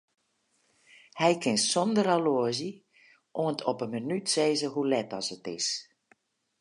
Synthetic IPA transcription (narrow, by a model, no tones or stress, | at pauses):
hɛjkʰɪnsɔndəɾaloəzə | ʔoəntʰɔpəmənytseːzəɦulɛtɔsətɪ̰s